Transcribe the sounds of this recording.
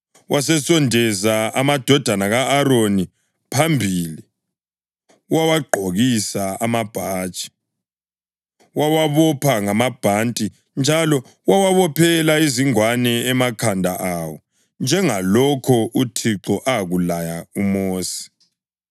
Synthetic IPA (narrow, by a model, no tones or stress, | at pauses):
wʔasɛsɔndʱɛzaamad̥ʱɔd̥ʱanaɣaːɾoni | pʰambʱili | wawaɡ͡ǃʱoɣisaamab̥ʱaːt͡ʃʼi̥ | wawaβɔpʰaŋamab̥ʱantʼi | nd͡ʒʱalɔ | wawaβɔpʰɛlaiziŋwanɛɛmakʰandʱa̰ʔawɔ | nd͡ʒʱɛŋalɔkʰɔutʰiǁɔʔaɣulajaumoːsi̥